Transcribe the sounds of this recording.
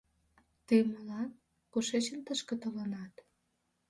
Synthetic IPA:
t̪eməlɑn | koʃet͡ɕə̆nt̪əʃkə̆t̪olənɑt̪

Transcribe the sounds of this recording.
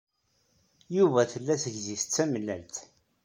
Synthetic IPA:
juvæθəlːæθəʝziθə̥t͡sːæməlːæ̰lt̪

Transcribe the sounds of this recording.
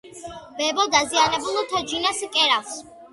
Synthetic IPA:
bɛbɔd̪azianɛbulˠɔt̪ʰad͡ʒinaskʼɛɾafs

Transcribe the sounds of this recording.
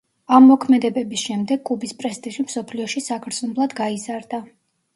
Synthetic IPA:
amːɔkʰmɛd̪ɛbɛbisʃɛmd̪ɛɡkʼubispʼɾɛst̪ʼiʒimsɔpʰliɔʃisakʰɾt̪snɔblˠad̪ɡaizaɾd̪a

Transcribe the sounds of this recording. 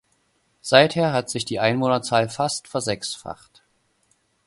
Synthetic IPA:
z̥aɪtheːɐɦatz̥ɪçd̥iːʔaɪnvoːnɐt͡saːlfastfɛɐzɛksfa̰χt

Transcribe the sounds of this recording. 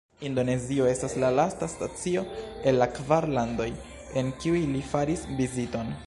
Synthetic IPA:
indo̞ne̞zio̞e̞staslalastastat͡sio̞e̞nlakvaɾlando̞j | e̞nkiujlifaɾisvizito̞n

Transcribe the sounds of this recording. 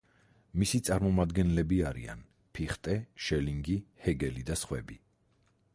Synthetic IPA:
misit̪sʼaɾmɔmad̪ɡɛnlɛbiaɾḭa̰n | pʰiχt̪ʼɛʃɛliŋɡihɛɡɛlid̪asχwɛ̰bi

